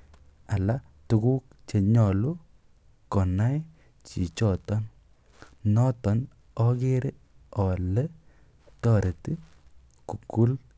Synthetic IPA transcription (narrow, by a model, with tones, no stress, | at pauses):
a˨la˦ | tu˨ku˦k̚ | t͡ʃe˨ɲɔ˨lu˦ | kɔ˨na˦j | t͡ʃi˨t͡ʃɔ˨tɔ˦n | nɔ˦tɔ˨n | ɔ˦ke˦ɾe˦ | ɔ˨le˦ | tɔ˦˨ɾe˨ti˦ | ku˨ku˦l